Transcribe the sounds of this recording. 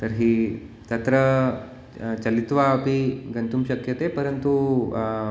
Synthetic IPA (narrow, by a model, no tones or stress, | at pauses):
t̪ɐɾɦiː | t̪ɐt̪ɾə | t͡ʃɐlit̪ʋapiɡɐnt̪umɕɐkjɐt̪epɐɾənt̪u